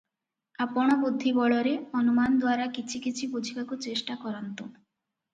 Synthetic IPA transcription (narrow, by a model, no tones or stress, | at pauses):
apɔɽ̃ɔbud̪ʱːibɔɭɔɾeɔnumand̪waɾakit͡ʃʰikit͡ʃʰibud͡ʒʱikakut͡ʃesʈakɔɾɔnt̪u